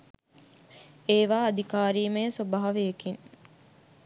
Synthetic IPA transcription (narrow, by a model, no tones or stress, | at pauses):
eːʋaːɐd̪ikaːɾiːmesobaɦɐʋeekiŋ